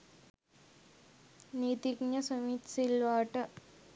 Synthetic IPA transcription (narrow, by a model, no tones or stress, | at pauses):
niːt̪iɡɲəsomit̪silʋaːʈə